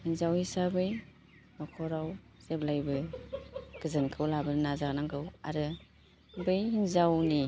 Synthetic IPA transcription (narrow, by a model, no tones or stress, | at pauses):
hinzawhisabɯj | nɔkʰɔɾaw | z̥ep̚lajbɯ | ɡ̥ɯzɯnkʰɯwlabɯnnazaɡnaŋɡɯwa̰ɾɯ | bɯjhinzawni